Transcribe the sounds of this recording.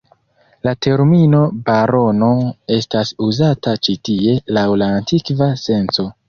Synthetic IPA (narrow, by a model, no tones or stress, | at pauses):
late̞ɾmino̞baɾo̞no̞e̞stasuzatat͡ʃitie̞lawlaːntikvase̞nt͡so̞